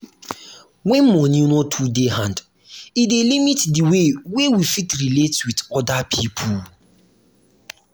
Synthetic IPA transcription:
wɛ̃nmɔnjunotʰudehãnd | idelimitdiwewewifitɹiletwitɔdapʰipʰu

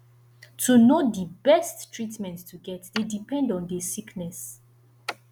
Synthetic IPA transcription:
tʰunodibɛsttɹitmɛ̃nttʰːuɡɛtdedipɛ̃ndɔ̃ndɛsiknɛs

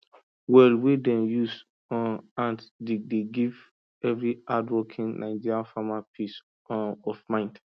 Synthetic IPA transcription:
wɛlwedɛ̃njus | ãntdedeɡiv | ɛvɹiadwɔkʰĩnnʔãɪd͡ʒiɾiãnfamapʰis | ɔfmãɪ̃nd

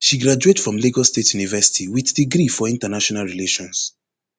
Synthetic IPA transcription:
ʃiɡɾad͡ʒuetfɹɔ̃mleɡɔstetjunivɛsi̥tʰiwiθdiɡɾifɔĩntanaʃɔnalɹileʃɔ̃ns

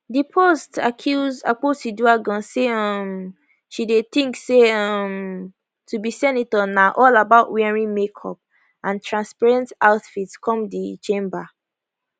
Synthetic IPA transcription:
dipʰostakʰjuza̰k͡posiduaɡɔ̃seɔ̃m | ʃideθĩŋkseɔm | tubisɛnitɔnaʔɔlabaʊtwɛɹĩmekʰɔ̰p̚ | ʔãntʰɹãnspaɹɛ̃ntaʊtfitskʰɔ̃mdit͡ʃẽmba

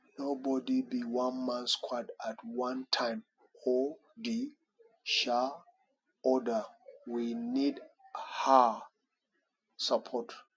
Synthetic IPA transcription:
nobɔdibiwãnmãnskʰwadatwãntʰãɪ̃m | o | di | ʃa | ɔdəwinidha | sapʰɔt

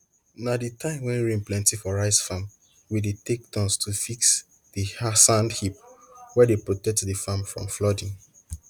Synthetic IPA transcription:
naditʰãɪ̃mwɛ̃nɹĩmplɛ̃ntifɔɹaɪsfãm | widetek̚dɔ̃nstʰufiks | d̥ihasãndhip̚wɛdepɹotɛk̚tdifãmfɹɔ̰̃mflɔdĩn

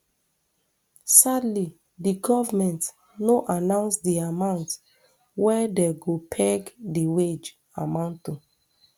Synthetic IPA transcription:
sadli | diɡɔvamɛ̃nt | noʔanãʊ̃nsdiamãʊ̃nt | wɛdɛɡopʰɛɡdiwed͡ʒ | amãʊ̃nt

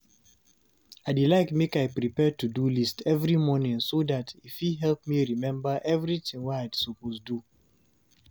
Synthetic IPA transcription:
aɪdilaɪkmekaɪpɹipɛd̚tudulistʰɛvɹimɔnĩŋsodatifiɦɛlpmiɹimɛ̃mbəʔɛvɹitĩŋwɛaɪdsoposdu

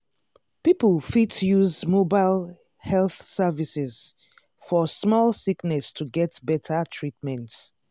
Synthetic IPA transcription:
pipəlfitjuzmobaɪl | hɛlθsɛvisɛz̥ | fɔsmɔlˠsiknɛstʰuɡɛtbɛtʰətʰɹit̚mɛ̃nt

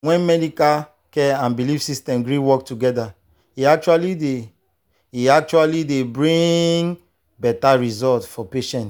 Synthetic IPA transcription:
wɛ̃nmɛdikal | kɛãnbilifsistɛ̃mɡɹiwɔk̚tuɡɛda | iak̚t͡ʃualide | iak̚t͡ʃualidebɹĩŋ | bɛtaɹizɔltfɔpeʃɛ̃nt

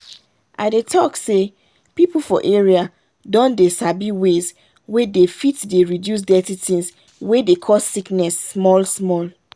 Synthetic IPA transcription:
ʔa̰ɪdetʰɔkse | pipul̩fɔ̰ʔeɹia | dɔ̃ndesabiwez | wedefitdeɹidjus̬dɛtitʰĩs | wedekʰɔssiknɛsːmɔlsmɔl

